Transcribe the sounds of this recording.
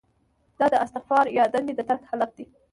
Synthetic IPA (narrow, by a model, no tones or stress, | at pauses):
d̪̥ɑd̪əast̪ɪxfɑɾjɑd̪and̪ed̪ət̪akhalaf̚d̪i